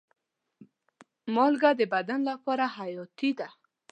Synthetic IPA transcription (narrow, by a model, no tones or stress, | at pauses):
mɔlɡad̪əbad̪anlapɔɾahajɔt̪id̪a